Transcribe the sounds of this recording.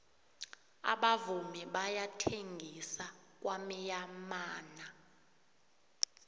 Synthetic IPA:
a̰ɓavumɛɓajatʰeŋɡʱisa | k̬ʼwamijamaːna

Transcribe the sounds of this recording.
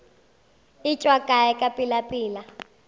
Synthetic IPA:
it͡ʃʼwakʼajɛkʼapʼilapʼiːla

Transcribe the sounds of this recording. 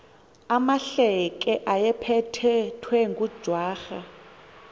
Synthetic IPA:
amaɬɛkʼɛʔajɛpʰɛtʰɛtʰwɛŋɡʼud̥ʒ̥ʱwaːxa

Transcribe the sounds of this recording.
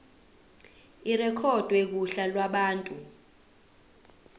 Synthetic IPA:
irɛkʰɔd̥ʱwek̬uɬalwaɓaːntʼu

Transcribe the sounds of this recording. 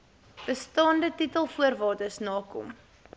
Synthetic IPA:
b̥əstɑːndətitəlˠfuərvɑːdəsnɑːkɔ̰m

